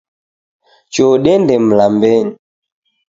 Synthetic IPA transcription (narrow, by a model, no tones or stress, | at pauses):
t͡ʃoɗɛndɛm̩lambɛni